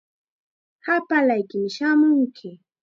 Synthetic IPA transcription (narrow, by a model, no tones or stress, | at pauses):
hapalajkɪmɪʃamʊŋkʰɪ